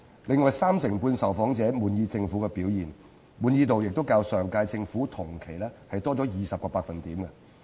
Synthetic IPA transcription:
lɪ˨ŋːɔː˨jsaː˥msɪ˨˩ŋpuː˧nsɐ˨wfɔː˨˥ŋt͡sɛː˨˥muː˨njiː˧t͡sɪ˧ŋfuː˨˥kɛ˧piː˨˥wjiː˨˩n | muː˨˧njiː˧t̪o˨wjɪ˨k̚t̪o˥wkaː˧wsœː˨˩ŋkaː˧jt͡sɪ˧ŋfuː˨˥t̪ʰʊ˨˩ŋkʰe˨˩jlɛː˥hɐ˨jt̪ɔː˥t͡sɔː˨˥jiː˨˩sɐ˨p̚kɔː˧paː˧k̚fɐ˨nt̪iː˨˥mkɛ˧

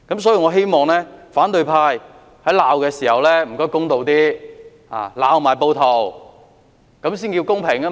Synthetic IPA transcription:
kɐ˨˥msɔː˨˥ji˧ŋɔː˨˧ɦe˥jmɔː˨˧ŋlɛː˥faː˨˥nt̪ɵ˧ɥpʰaː˧j | hɐ˨˥jlaː˨˧wkɛː˧siː˨˩hɐ˨wlɛː˥m̩˨˩kɔː˥jkʊ˥ŋt̪o˨˧wt̪iː˥ | a̰ː˨˩laː˨˧wmaː˨˩jpo˧wt̪ʰo˨˩w | kɐ˨˧˥msiː˥nki˧wkʊ˥ŋpʰɪ˨˩ŋa˥

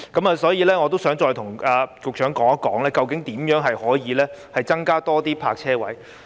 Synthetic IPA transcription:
kɐ˨˥maː˨˧sɔː˨˥jiː˨˧lɛː˥ŋɔː˨˧t̪o˥wsœː˨˥ŋt͡ʃɔː˧jt̪ʰʊ˨˩ŋaː˧kʊ˨k̚t͡ʃʰœː˨˥ŋkɔː˨˥ŋɐ˦˥kɔː˨˥ŋlɛː˥kɐ˨˧wkɪ˨˥ŋt̪iː˨˥mjœː˨˥ŋɦɐ˨jhɔː˨˥jiː˨˧lɛː˥hɐ˨jt͡sɐ˥ŋkaː˥t̪ɔː˥t̪iː˥pʰaː˧k̚t͡sʰɛː˥wɐ˨˥j

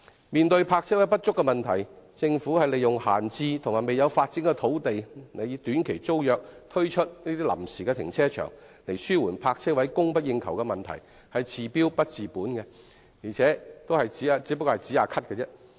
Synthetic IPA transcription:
miː˨nt̪ɵ˧ɥpʰaː˧k̚t͡sʰɛː˥wɐ˨˥jpɐ˥t̚t͡sʊ˥kːɛ˧mɐ˨nt̪ʰɐ˨˩jt͡sɪ˧ŋfuː˨˥hɐ˨jle˨jʊ˨ŋha̰ː˨˩nt͡siː˧t̪ʰʊ˨ŋmaː˨˩me˨jɐ˨˧wfaː˧t̚t͡sɪ˨˥ŋkɛ˧t̪ʰo˨˥wt̪e˨jne˨˧jt̪yː˨˥nkʰe˨˩jt͡so˥wjœː˨k̚t̪ʰɵ˥ɥt͡ʃʰɵ˥t̚niː˥t̪iː˥lɐ̰˨˩msiː˨kɛ˧t̪ʰɪ̰˨˩ŋt͡sʰɛː˥t͡ʃʰœ̰ː˨˩ŋ | le˨˩jsyː˥wuː˨˩npʰaː˧k̚t͡sʰɛː˥wɐ˨˥jkʊ˥ŋpɐ˥t̚jɪ˧ŋkʰɐ˨˩wkɛ˧mɐ˨˩nt̪ʰɐ̰˨˩j | hɐ˨jt͡sʰiː˨˩piː˥wpɐ˥t̚t͡siː˨puː˨˥nkɛ˧ | jiː˨˩t͡sʰɛː˨˥t̪o˥whɐ˨jt͡siː˨˥aː˨˧t͡siː˨˥pɐ˥kːɔː˧ɐ˨jt͡siː˨˥aː˨˧kʰɐ˥t̚kɛ˧t͡sɛ˥

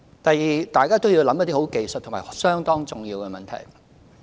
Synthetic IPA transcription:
t̪ɐ˨jjiː˨˩t̪aː˨jkaː˥t̪o˥wji˧wlɐ˨˥mjɐ˥t̪iː˥ho˨˥wke˨jst̪̚ʰmaː˨˩sœː˥ŋt̪ɔː˥ŋt͡sʊ˨ŋjiː˧wkɛ˧mɐ˨nt̪ʰɐ̰˨˩j

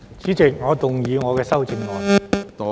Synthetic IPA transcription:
t͡siː˨˥t͡sɪ˨k̚ŋɔː˨˧t̪ʊ˨ŋjyː˨˧ŋɔː˨˧kɛː˧sɐ˥wt͡sɪ˧ŋŋɔː˨˥

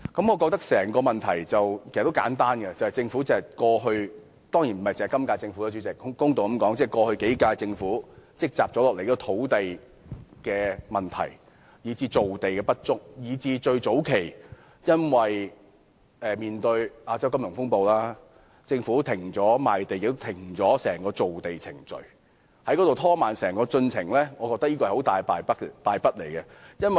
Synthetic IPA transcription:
kɐ˨˥mŋɔ˨˧kɔː˧k̚t̪ɐ˥k̚sɛː˨˩ŋkɔː˧mɐ˨nt̪ʰɐ˨˩jt͡sɐ˨wkʰe˩st̪kaː˨˥nt̪aː˥nɡɛ˧t͡sɐ˨˩hɐ˨˩jt͡sɪ˧ŋfuː˨˥t͡sɪ˨˧ɐ˨˩kɔː˧ɦɵ˧ɥ | t̪ɔː˥ŋjiː˨˩nm̩˨˩mɐ˨jt͡sːkɐ˥mkaː˧t͡sɪ˧ŋfu˧˥t̪o˨˧˥t͡ɕy˨˥t͡sɪ˨kkʊ˥ŋt̪o˨wɐ˨˥mkɔː˨˥ŋt͡sɛː˥˩kɔː˧hɵ˧ɥke˨˥jkaː˧t͡sɪ˧ŋfuː˨˥t͡sɪ˥k̚t͡saː˨p̚t͡sɔː˨˥lɔː˨k̚le˨˩jːt̪ʰo˨˥wt̪e˨j | kɛː˧mɐ˨˩nt̪ʰɐ̰˨˩j | jiː˨˧t͡siː˧t͡so˨wt̪e˨jkɛː˧pɐ˥t̚t͡ʃʊ˥k̚jiː˨˧t͡siː˧t͡ʃɵ˧ɥt͡so˨˥wkʰe˨˩j | jɐ˥nwɐ˨j | ʔɛː˨miː˨nt̪ɵ˧ɥʔaː˧t͡sɐ˥wkɐ˥mjʊ˨˩ŋfʊ˥ŋpo˧wlaː˥ | t͡sɪ˧ŋfuː˨˧˥t̪ʰɪ˨˩ŋt͡sɔː˨˥maː˨jt̪e˨jɪ˨kt̪o˥t̪ʰɪ˨˩ŋt͡sɔː˨˥sɛː˨˩ŋkɔː˧t͡so˨wt̪e˨jt͡sʰɪ̰˨˩ŋt͡ʃɵ̰˨ɥ | hɐ˨˥jkɔː˨˥t̪wt̪ʰɔː˥maː˨˩nsɛː˨˩ŋkɔː˧t͡sɵ˧nt͡sʰɪ˨˩ŋlɛː˥ŋɔː˨˧kɔː˧k̚t̪ɐ˥jiː˥kɔː˧˨˩ho˨˥wt̪aː˨jpaː˧jpɐ˥paː˧jpɐ˥t̚le˨˩jkɛ˧jɐ˥nwɐ˨

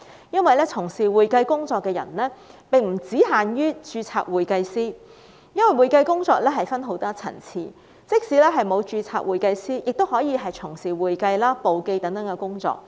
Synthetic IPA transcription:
jɐ˥nwɐ˨jlɛː˥t͡sʰʊ˨˩ŋsiː˨wuː˨jkɐ˧jkʊ˥ŋt͡sɔː˧kːɛː˧jɐ̰˨˩nlɛː˥pɪ˨ŋm̩˨˩t͡siː˨˥ɦaː˨nɥyː˥t͡ʃyː˧t͡sʰa̰ː˧k̚wuː˨jkɐ˧jsiː˥ | jɐ˥nwɐ˨jwuː˨˩jkɐ˧jkʊ˥ŋt͡sɔː˧k̚lɛː˥ɦɐ˨jfɐ˥nɦo˨˥wt̪ɔː˥t͡sʰɐ̰˨˩nt͡sʰiː˧ | t͡sɪ˥k̚siː˨˥lɛː˥ɦɐ˨˩jmo˨˧wt͡ʃyː˧t͡sʰa̰ː˧˥k̚wuː˨jkɐ˧jsiː˥jɪ˨k̚t̪o˥whɔː˨˥jiː˨˧ɦɐ˨jt͡sʰʊ˨˩ŋsiː˨˩wuː˨jkɐ˧jlaː˥po˨wke˧jt̪ɐ˨˥ŋt̪ɐ˨˥ŋkɛ˧kʊ˥ŋt͡sɔ̰ː˧k̚

